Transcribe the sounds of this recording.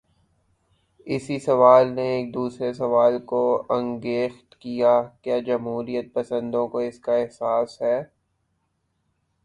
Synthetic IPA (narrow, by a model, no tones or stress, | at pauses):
ɪsisɐʋaːlneeːk̚d̪uːsɾesɐʋaːlkoɐ̃ŋɡeːxt̪kijakjaːd͡ʒɐmɦuːɾijət̪̚pɐsə̃nd̪õkoɪskaɛɦsaːsɦɛː